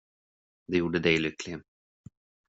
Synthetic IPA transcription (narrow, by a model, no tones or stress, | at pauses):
d̪ɛjuːɖəd̪ɛjlʏkːlɪən